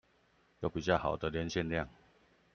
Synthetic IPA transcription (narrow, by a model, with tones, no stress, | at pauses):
jo˨˦ʊpi˨˩t͡ɕja˥˩ha̰˨˩ʊd̪ə˨ljɛ˨˦nɕjɛ˥˧nlja˥˨ŋ